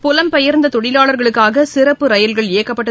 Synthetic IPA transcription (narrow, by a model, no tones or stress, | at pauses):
pʊlɐmpɛjɐɾnd̪ɐt̪ɔɽɪlaːɭɐɾɣɐɭɯkːaːɣɐsɪrɐpːɯɾɐjɐlɣɐɭeːkːɐpːɐʈːɐ